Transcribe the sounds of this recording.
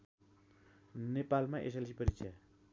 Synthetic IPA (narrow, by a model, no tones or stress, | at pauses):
nepalmaʔḛs̬elsipəɾit͡ʃa